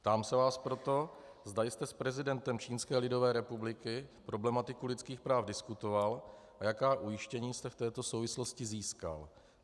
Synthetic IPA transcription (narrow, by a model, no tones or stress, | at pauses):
pt̪aːmsɛvaːspɾo̞t̪o̞ | zd̪ajst̪ɛspɾɛzɪdɛnt̪ɛmt͡ʃiːnskɛːlɪdo̞vɛːɾɛpublɪkɪpɾo̞blɛmat̪ɪkulɪt͡skiːxpɾaːfdɪskut̪o̞val | ʔajakaːʔujɪʃcɛɲiːst̪ɛft̪ɛːt̪o̞sowvɪslo̞scɪziːska̰l